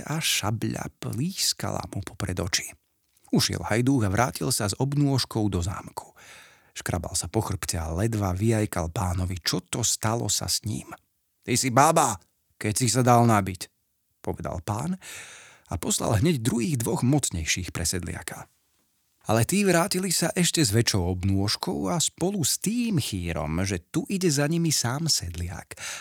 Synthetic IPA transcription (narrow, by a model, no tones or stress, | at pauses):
aʃa̰bʎa̰pliːska̰la̰mupʰɔ̥pɾɛd̪ɔt͡ʃi̥ | uʃɪɛ̰lhajd̪uːɣaʋɾʔaːcilsazɔbnuɔʃkɔʊd̪ɔza̰ːmkʰu̥ | ʃkɾaba̰lsapɔxr̩ptɛalɛd̪ʋaʋiajkalpaːnɔʋit͡ʃɔt̪ɔst̪alɔ̰sa̰sɲḭːm | t̪isibaːba | kɛcsisad̪alnabic | pɔʋɛd̪a̰lpa̰ːn | apɔsla̰lˠɦɲɛɟd̪ɾuɦiːɣd̪ʋɔɣmɔt͡sɲɛjʃiːxpɾʔɛsɛd̪lɪa̰ka | alɛt̪iːʋɾaːcilisaʔɛʃcɛzʋɛt͡ʃɔʊɔbnuɔʃkɔ̰ʊaspɔlust̪iːmxiːɾɔ̰mʒɛt̪uʔiɟɛzaɲimisaːmsɛd̪lɪa̰k